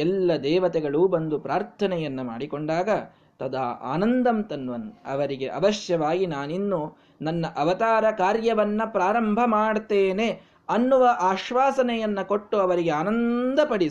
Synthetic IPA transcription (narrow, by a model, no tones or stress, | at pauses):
ɛlːɐd̪ɛːʋɐt̪ɛɡɐɭuːbɐnd̪upɾaːɾt̪ʰɐnɛjɐnːuma̰ːɽikoɳɖaːɡɐ | t̪ɐd̪ɐa̰ːnɐnd̪ɐmt̪ɐnʋɐnɐ̰ʋɐɾiɡeʔɐ̰ʋɐʃjɐʋaːɡinaːninːu | nɐnːɐʔɐʋɐt̪aːɾɐkaːɾjɐʋɐnːɐpɾaːɾɐmbʱɐmaːɽt̪eːne̞ | ɐnːuʋɐʔaːʃʋaːsɐnɛjɐnːɐko̞ʈːuɐʋɐɾiɡeaːnɐnd̪ɐpɐɽi